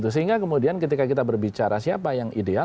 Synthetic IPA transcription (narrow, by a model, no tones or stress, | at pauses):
t̪usəɦiŋɡakəmudiankət̪ikakit̪abərbit͡ʃaɾasiapajaŋʔidea